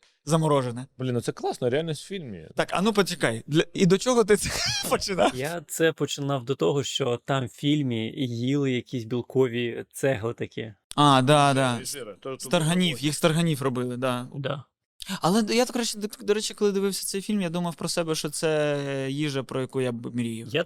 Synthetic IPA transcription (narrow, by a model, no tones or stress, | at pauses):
zɐmɔɾɔʒenɛblʲinɔt̪sɛklˠɑsnɔɾʲɪalʲnʲisʲtʲfʲilʲmʲḭt̪ɑkɐ̰nupɔt͡ʃʲɪkɑjd̪lʲɐid̪ɔt͡ʃɔɦɔt̪̬ɪt̪sɛpɔt͡ʃɪnɑjat̪sɛpɔt͡ʃɪnɑwd̪ɔt̪ɔɦɔʃt͡ʃɔt̪ɑmfʲilʲmʲijilˠɪjɐkʲisʲbʲilˠkɔʋʲit̪sɛɦlˠɪt̪ɐkʲʰɛ | ɑd̪ɑd̪ɑst̪ɐrɦɐnʲiwjixst̪ɐrɦɐnʲiwrɔbɪlˠɪd̪ɑd̪a | ɐlˠɛjat̪ɔkɾɐʃɛd̪d̪ɔɾɛt͡ʃɪkɔlˠɪd̪ɪʋɪwsʲɐ̥sɛjfʲilʲmjad̪umɐwpɾɔsɛbɛʃt͡ʃɔt̪sɛjiʒɐpɾɔjɐkujabmʲiɾʲijʊja